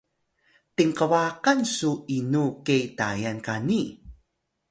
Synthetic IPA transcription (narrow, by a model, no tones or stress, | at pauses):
tiŋqəwaqansuinukejta̰jankani